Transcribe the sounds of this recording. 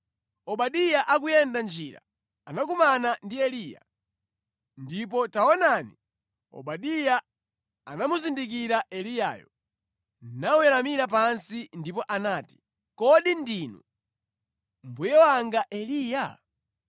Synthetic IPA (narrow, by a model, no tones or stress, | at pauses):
ɔɓaɗijaʔakujɛndand͡ʒiɾa̰ | anak̬umanandiɛliːja̰ | ndip̬ɔtaɔnaːni | ɔ̰ɓaɗija | anamuzindik̬iɾaʔɛlija̰ːjɔ̰ | nawɛɾamiɾapansindipɔʔanaːti̥ | kɔɗindiːnu | mbujɛwaŋɡaʔɛliːja